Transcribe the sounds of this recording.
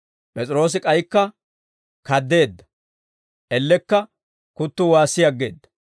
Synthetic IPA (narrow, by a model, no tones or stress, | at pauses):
pʼɛt͡sʼɾo̞ːs̬ɪkʼɐjkːɐ | kɐd̪ːe̞ːd̪ːɐ̥ | ʔɛlːɛkːɐ | kʊt̪ːʊwaːsːɪjɐɡːe̞̰ːd̪ːɐ̥